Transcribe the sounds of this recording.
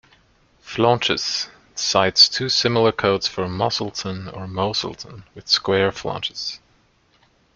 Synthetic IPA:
flɑ̃nt͡ʃɨs | saɪtstʰʉːsɪ̃ml̩ˠə˞kʰoʊdz̥fə˞mɑsl̩ˠtʰə̃nə˞moʊsl̩ˠtʰə̃nwɨð̥skwɛɹflɑ̰̃nt͡ʃɨ̥s

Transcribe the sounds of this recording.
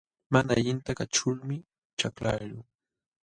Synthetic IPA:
manaʎɪnt̪akat͡ʃʊlmɪ | t͡ʃaklaʎʊ

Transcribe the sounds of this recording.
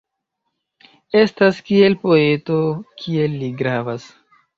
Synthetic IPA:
e̞staskie̞lpo̞e̞to̞kʰie̞lːiɡɾavas

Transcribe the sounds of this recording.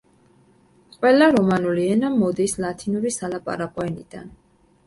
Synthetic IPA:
qʼwɛlaɾɔmanuliɛnamɔd̪islat̪ʰinuɾisalapʼa̰ɾaqʼɔɛnid̪̥a̰n

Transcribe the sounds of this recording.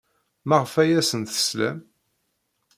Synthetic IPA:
maʁfæjæsənθə̥slæ̰m

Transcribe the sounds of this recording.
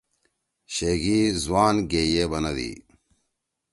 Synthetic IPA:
ɕeɡiːzwaːnɡeːjeːbɐnɐd̪ḭː

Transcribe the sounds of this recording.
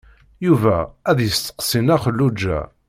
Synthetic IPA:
juvæ̰æðjəst̪ə̥qsinæχəlːud͡ʒːæ̰

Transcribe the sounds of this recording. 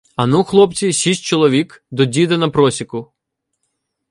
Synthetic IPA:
ɐnuxlˠɔpt͡sʲisʲisʲt̚ʲt͡ʃɔlˠɔʋʲikd̪ɔdʲid̪ɐnɐpɾɔsʲikʊ

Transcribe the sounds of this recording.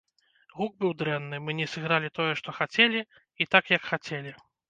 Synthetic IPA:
ɣuɡ̚bɨwd̪ɾɛnːɨmɨnʲɛsɨɣɾalʲit̪ɔjɛʂt̪ɔxat͡sʲelʲi | it̪akjɐkxat͡sʲelʲi

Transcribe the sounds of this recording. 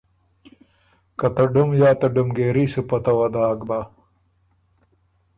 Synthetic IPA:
kɐt̪ɐɖumjaːt̪ɐɖumɡeːɾisupɐt̪ɐwɐd̪aːɡba

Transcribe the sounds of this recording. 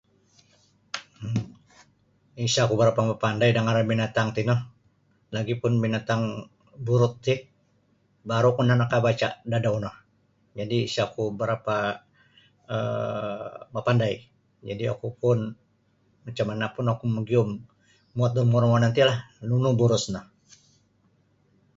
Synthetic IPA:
isakubəɾapamapandajdaŋaɾabinat̪aŋt̪inɔh | laɡipʊnbinat̪aŋ | buɾʊt̪̚ːɪh | baɾukunanakabat͡ʃa̰dadaunɔh | d͡ʒadiːsakubəɾapa | ə̰ | mapandaj | d͡ʒa̰dia̰kupʊn | mat͡ʃamanapʊnakuməɡiʊm | muat̪̚dɔmuɾmanant̪ilahnunubuɾʊsnɔh

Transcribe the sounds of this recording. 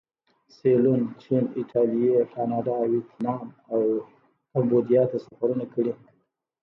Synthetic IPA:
selunt͡ʃinɪʈʰɑlijekɑnɑɖɑwɪt̪nɑm | aw | kambod̪ijɑt̪asaxaɾunakəɽi

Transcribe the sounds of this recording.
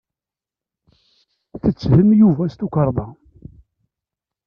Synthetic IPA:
θət͡sːhəmjuvæst̪ukəɾˤðˤɑ

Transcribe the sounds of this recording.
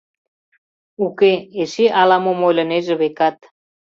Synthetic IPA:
ukeeʃeʔɑlɑmomojlʲɤ̆neʒĕβekɑt̪̚

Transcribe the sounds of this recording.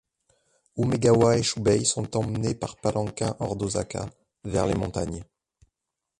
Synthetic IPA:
umeɡawaeʃubɛjsɔ̃t̪ɑ̃mnepaʁpalʔɑ̃kɛ̰̃ʔɔʁd̪oza̰ka̰ | vɛ̰ʁlḛmɔ̃t̪a̰ɲ

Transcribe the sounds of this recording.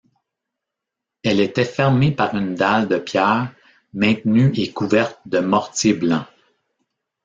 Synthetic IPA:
ɛlet̪ɛfɛʁmepaʁynd̪ald̪əpjɛːʁ | mɛ̃t̪nyekuvɛʁt̪̚d̪əmɔʁt͡sjeblɑ̃

